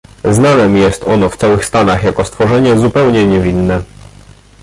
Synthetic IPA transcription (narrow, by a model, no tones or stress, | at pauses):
znanɛmjɛst̪ɔnɔft̪sawɘxst̪anaxjakɔst̪fɔʐɛɲɛzupɛwɲɛɲɛvʲinːɛ